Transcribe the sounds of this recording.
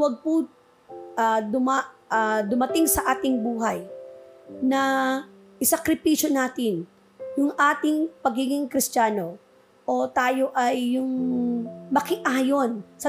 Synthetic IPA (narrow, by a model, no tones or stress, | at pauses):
wɐɡ̚pʊ | ʔɐd̪ʊmaʔɐd̪ʊmɐt̪ɪŋsɐʔaːt̪ɪŋbuːɦɐj | nɐ | ʔɪsɐkɾɪpiʃjonaːt̪ɪn | jʊŋʔaːt̪ɪŋpɐɡiːɡɪŋkɾɪst͡ʃaːno̞ | ʔot̪aːjo̞ʔɐjːʊŋ | mɐkɪʔaːjonsɐ